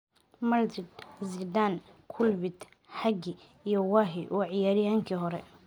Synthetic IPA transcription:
mɐld͡ʒɪd̪zid̪aːnkʰʊlvɪd̪ | ħɐɡɪ | ijɔwaːɦɪʔɔʕɪjaːɾɪjaːŋkʰiːɦɔɾɛ̰

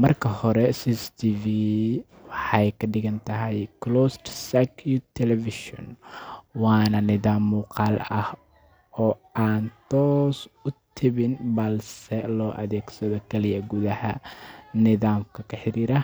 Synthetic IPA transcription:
mɐrkʰɐhɔɾɛsist̪ʰiːvi | wɑħɑjkʰɐɖɪɣɐnt̪ʰɐɦɛjklɔːst̪sakʰjut̪ʰɛlɛfɪʃɔ̰nwɑːnɐnɪðaːmːuːqɑːlɐh | ɔːʔaːnt̪ʰɔːsʊt̪ʰɪβɪnbɐlsɛlɔːʔɐðɛːɡsɐðɔkʰɛlɪjɐɡuðɐhɐ̰nɪðaːmkʰɐkʰɐħɪɾiːɾɐ

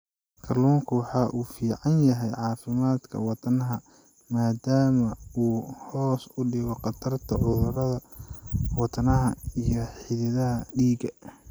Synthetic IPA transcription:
kʰɐrluːŋkʰʊwɑħɑːʔuːfiːʕɑnjɐɦɛjʕɑːfɪmaːd̪kʰɐ̰wɑt̪ʰɐnɐɦɐ | maːd̪aːmɐuːhɔːsʊɖɪɣɔqɑt̪ʰɐrt̪ʰɐʕʊðʊrɐðɐ | wɑt̪ʰɐnɐɦɐijɞħɪðɪðɐɦɐɖiːɡɐ

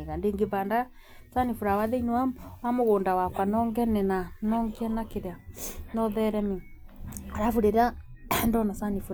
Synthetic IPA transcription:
ɣandeːŋɡebanda | sanifuɾawaðeinwwamwamoɣoːndawakwanɔŋɡɛnɛnanɔŋɡeɛnakeɾeanɔðɛɾɛmi | aɾafuɾeɾandɔnasanifuɾ

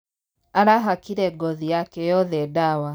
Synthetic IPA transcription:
aɾaɦakiɾɛɡɔðijakɛjɔðɛdawa

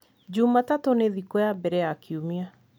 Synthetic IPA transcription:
d͡ʒumatatoneðikɔabɛɾɛakʰiumia

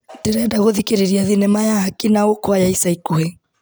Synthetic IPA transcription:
deɾɛdaɣoðikeɾeɾiaðinɛmajaːkinaokwajaisaikoe

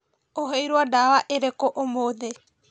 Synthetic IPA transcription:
oɦejɾoadawaʔeɾekoʔomoðe

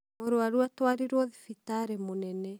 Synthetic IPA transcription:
oɾoaɾwatwaɾiɾwɔðifitaɾemonɛnɛ

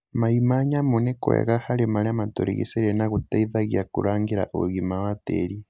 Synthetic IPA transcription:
maimaɲamunekwḛɣahalimaliamatoɾḭɣḭseɾenaɣutaiðaɣjakṵɾaːŋɡiɾa̰ʔo̰ɣimawatḛɾi

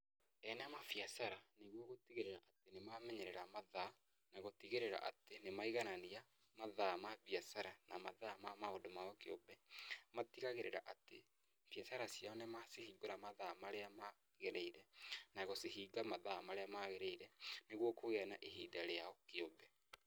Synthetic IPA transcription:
ɛnamafiasaɾaneɣwɔɣotiɣeɾeɾaʔatenemamɛɲɛɾɛɾamaða | naɣotiɣeɾeɾa̰ʔa̰tenemaiɣanania | maðamaβiasaɾanamaðamamaodomaɔkeɔbɛmatiɣaɣeɾeɾa̰ʔate | fiasaɾasjaɔnemasehiːɡoɾamaðamaɾeama | ɣeɾeiɾɛnaɣɔseɦiːɡamaðamaɾeamaɣeɾeiɾɛneɣwɔkoɣeanaʔeɦidaɾeaɔkeɔbɛ

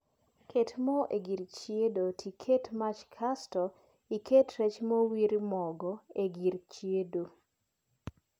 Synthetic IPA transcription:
kʰetmɔʔeɡiɾt͡ʃjedotʰikʰetmat͡ʃkʰastɔ | iketɾɛt͡ʃmowiɾmɔɡɔeɡiɾt͡ʃjedo

